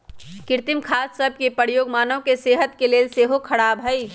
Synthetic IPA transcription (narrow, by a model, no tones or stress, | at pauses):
kɪɾt̪ɪmkʰaːssəb̚ʱkepəɽjoːɡmaːnõkeseːɦət̪keleːlseːɦokʰɐɽaːbʱɦɐi